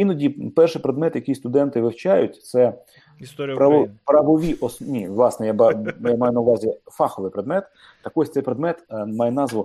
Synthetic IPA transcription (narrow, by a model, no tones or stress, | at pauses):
inɔdʲipɛrʃɪjpɾed̪mɛt̪jɐkʲijst̪ʊd̪ɛnt̪ɪʋɪwt͡ʃajʊtʲt̪sɛ | pɾɐɔpɾɐʋɔʋʲiʔɔsnʲiʋlˠɑsnɛjabɑjamɑjʊnɐʊʋɑzʲifɑxɔʋɨjpɾed̪mɛt̪ | t̪ːɐkɔsʲt̪sɛjpɾed̪mɛt̪mɑjɛnɑzʋɔ